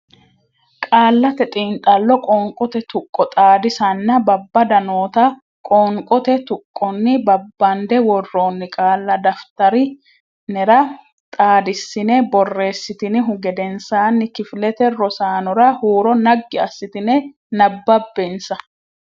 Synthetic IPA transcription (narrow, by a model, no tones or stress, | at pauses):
kʼaːlːɐt̪ɛt̪ʼiːnt̪ʼɐlːɔkʼɔŋkʼɔt̪ɛt̪ʊkʼːɔt̪ʼaːd̪ɪsɐnːɐbɐbːɐd̪ɐno̞ːt̪ɐ | kʼɔːŋkʼɔt̪ɛt̪ʊkʼːɔnːɪbɐbːɐnd̪ɛwɔrːoːnːɪkʼaːlːɐd̪ɐft̪ɐɾɪ | nɛɾɐ | t̪ʼaːd̪ɪsːɪnɛbɔrːe̞ːsːɪt̪ɪnɪɦʊɡɛd̪ɛnsaːnːɪkɪflɛt̪ɛɾɔsaːnɔɾɐhuːɾɔnɐɡːɪɐsːɪt̪ɪnɛ | nɐbːɐbːensɐ